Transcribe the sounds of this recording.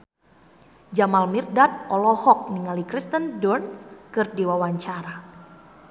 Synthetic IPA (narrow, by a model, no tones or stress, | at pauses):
d͡ʒamalmirdat̪̚ɔlɔhɔk̚niŋalikɾist̪əndɔrnskɨrdiwawaɲt͡ʃaɾa